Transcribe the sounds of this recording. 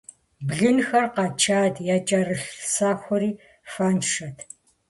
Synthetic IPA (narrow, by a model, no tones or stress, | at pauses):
bɮɨnxɐrqɑt͡ʃʰaːtʰjaːt͡ʃʼɐrɨɬsaːxʷɔɾiː | faːnʂɐtʰ